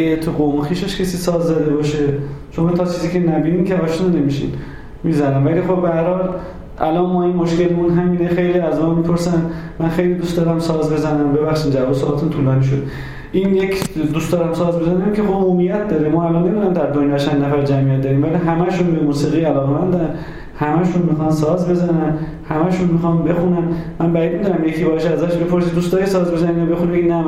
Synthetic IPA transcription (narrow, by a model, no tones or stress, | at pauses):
et̪ʰuʁomxiːʃeʃcʰesiːsɒːzːæd̪ebɒːʃet͡ʃʰonmænt̪ʰɒt͡ʃʰiːziːcʰenæbinimkʲʰevɒʃnunːemiʃḭn | mizænæmvæliːxo̞bbææɾhɒl | ʔæ̰lɒnmɒːinmoʃkelemunɦæmiːnexejliːæzmænmipʰoɾsænmænxe̞jlid̪ust̪d̪ɒːɾæmsɒːzbe̞zænæmbe̞βæxʃiːmd͡ʒævɒsoɑt̪ʰunt̪ʰulɒːniːʃ̬od̪ | ʔiːnjekʰd̪uːst̪ɒɾæmsɒːzbe̞zænækʲʰehoobuːmijæt̪̚ʰd̪ɒːɾemɒælɒnːemid̪unæmd̪æɾd̪onjɒːt͡ʃʰænːnæfæɾd͡ʒæmijæt̪̚d̪ɒːɾiːmvæliɦæmæʃunbemuːsiːɣiːælɒːɣemænd̪æn | hæmæʃunmixɑnsɒzbe̞zænæn | hæmæʃunmixɒmbe̞xunænmænbæid̪̚mid̪unæmjecʰibɒːʃæzæʃbe̞pʰo̞ɾsiːd̪uːst̪ɒːjesɒːzbe̞zæninɒbe̞xunibeinæ